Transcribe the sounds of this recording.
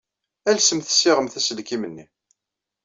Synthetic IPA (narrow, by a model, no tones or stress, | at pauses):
ælsəmθə̥sːɪʁəmθæsəlkimənːi